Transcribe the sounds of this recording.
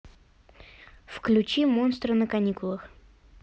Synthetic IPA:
fklʲʉt͡ɕimo̞nst̪ɾənəkɐnʲikʊlˠəx

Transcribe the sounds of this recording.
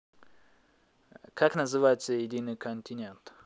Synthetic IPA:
kʰaknɐzɨvajɪt̪səjɪdʲinɨjkʰɐnʲt̪ʲɪnʲe̞nt̪

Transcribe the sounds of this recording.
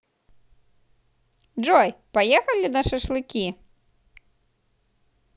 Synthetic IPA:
d͡ʐɔjpajɛxɐlʲinɐʂɛʂlˠɨkʲi

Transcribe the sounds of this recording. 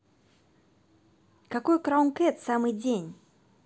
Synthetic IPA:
kakɔjkɾawnkɛt̪samɨd͡zʲenʲ

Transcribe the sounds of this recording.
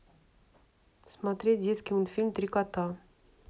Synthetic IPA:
smat̪ɾʲet̚ʲd̪ʲeskʲiunfʲilʲmt̪ɾʲikat̪a

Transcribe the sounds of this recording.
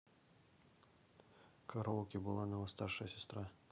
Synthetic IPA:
kɐɾowkʲibɨlˠanɐvɐst̪arʂɐjəsʲɛst̪ɾa

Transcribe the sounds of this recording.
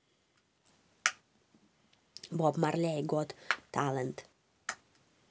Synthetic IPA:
bɔbmaɾlʲejɡɔt̪t̪ʰalˠənt̪

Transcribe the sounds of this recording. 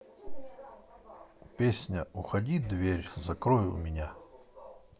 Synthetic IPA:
ʊpʲesʲnʲəʊxɐdʲid̪vʲeɾʲzɐkɾɔjɪlˠmʲɪnʲa

